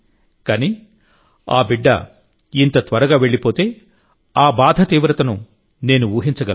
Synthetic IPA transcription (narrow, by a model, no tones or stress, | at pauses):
kaːniː | a̰ːbiɖːɐ̰ | int̪ɐt̪ʋɐɾɐɡaːʋe̞ɭːipo̞ːt̪e̞ː | aːbaːd̪ʱɐt̪iːʋɾɐt̪ɐnu | ne̞ːnuuːɦiɲt͡ʃɐɡɐ